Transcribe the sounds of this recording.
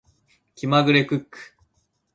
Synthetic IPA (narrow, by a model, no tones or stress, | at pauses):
kʲimaɡɯ̟ɾe̞kɯkːɯ̥